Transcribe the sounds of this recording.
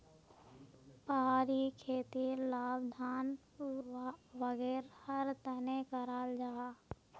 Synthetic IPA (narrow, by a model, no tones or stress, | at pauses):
pəɦaːɾikʰeːt̪ilaːbd̪ʱaːn | ɾaʋəɡɛːɾhəɾt̪ənekəɾaːld͡ʒaːa